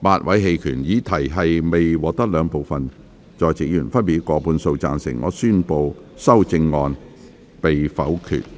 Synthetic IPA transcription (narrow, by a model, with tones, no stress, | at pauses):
maː˧t̚wʔɐ˨˥jɦe˧jkʰyː˨˩njiː˨˧˥t̪ʰɐ˨˩jɦɐ˨jme˨jwɔː˨˧k̚t̪ɐ˥k̚lœː˨˧ŋpo˨wfɐ˨n | t͡ʃɔː˨˧jt͡si˨˥k̚jyː˨˩nfɐ˥npiː˨˩t̚kɔː˧puː˨˧nso˧wt͡saː˨˧nsɪ̰˨˩ŋŋɔ̰ː˨˧syː˥npo˨˧wsɐ˥wt͡sɪ˧ŋːɔː˧n | pe˨jfɐ˨˥wkʰy̰ː˨˩t̚